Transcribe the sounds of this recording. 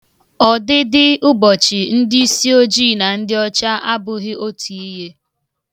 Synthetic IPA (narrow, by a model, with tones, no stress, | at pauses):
ɔ˨dɪ˦dɪ˦ʊ˦bɔ˨t͡ʃɪ˨n̩˦di˦i˦si˦o˦d͡ʒiː˦˨na˨n̩˦dɪ˦ɔ˦t͡ʃa˦ʔa˦bʊ˨ɣɪ˦o˦tʰu˨i˦ɦe˦